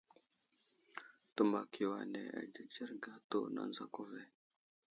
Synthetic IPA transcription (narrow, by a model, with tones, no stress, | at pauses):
tu˦mba˨kʰi˨wa˨nḛ˨a̰˨d͡ʒə˨d͡ʒe˦ɾɡa˨to˦na̰˨n˦za˨ko˦ve˨